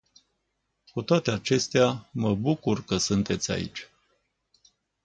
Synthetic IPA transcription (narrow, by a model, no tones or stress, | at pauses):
kut̪oat̪eat͡ʃe̞st̪eaməbukurkəsunt̪e̞t̪sʲa̰ḭt͡ʃʲ